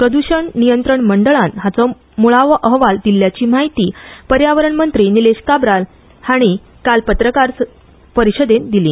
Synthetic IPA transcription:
pɾəd̪uɕəɳnijənt̪ɾəɳməɳɖəɭãnɦat͡sɔ | muɭaʋəʔəɦʋald̪iljat͡ɕiːmaɦit̪iːpəɾjaʋəɾəɳmənt̪ɾiːnileɕkabɾal | haɽ̃i | kalpət̪ɾəkaɾs | pəɾiɕəd̪end̪ilḭː

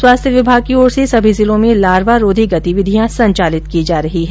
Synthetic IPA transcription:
swaːst̪ʰjəʋɪbʱaːɡ̚kioːɾsesɐbʱizɪlõmẽlaːɾʋaɾoːd̪ʱiɡɐt̪iʋɪd̪ʱijãsɐ̃ɲt͡ʃaːlɪt̪kid͡ʒaːɾɐɦiɦɛ

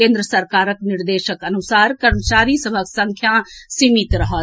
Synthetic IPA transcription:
ẽːnd̪ɾəsɐɾkaːɾəknɪɾd̪eːʃəkɐnusaːɾkəɾmət͡ʃaːɾisəbʱəksə̃ŋkʰjasimit̪ɾɐɦə

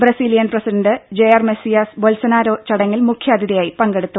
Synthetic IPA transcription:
brɐsiːlijɐnprɐsiɖɐnɖɨd͡ʑejɐrmesijasbolsɐnaːɾoːt͡ɕːɐɽɐŋːilmukʰjaːd̪ʱjiðɐjaːjipɐŋɡe̞ɽut̪ːu

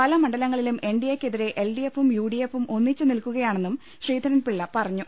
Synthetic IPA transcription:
pɐlɐmɐɳɖɐlɐŋːɐɭilume̞ɳɖijɐkʲːeðiɾe̞ʔelɖiefumjuːɽijefumo̞nːit͡ɕːunilkuɣɐjaːɳe̞nːum | ɕriːd̪ʱɐɾɐnpiɭːɐpɐrɐɲːu

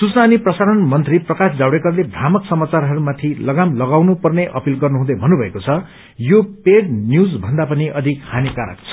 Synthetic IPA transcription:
sut͡snaːniprʌsaɾʌnmʌnt̪riprʌkasd͡zawɽekʌrlebʱramʌksʌmat͡sarɦʌɾumat̪ʰilʌɡamlʌɡawnupʌrneʔʌpilɡʌrnuɦũd̪ʌjbʱʌnːubʱʌekot͡sʰʌ | jopeɽnjud͡zbʱʌnd̪apʌniʌd̪ʱikkʰanikaɾa̰k̚t͡sʰʌ̥

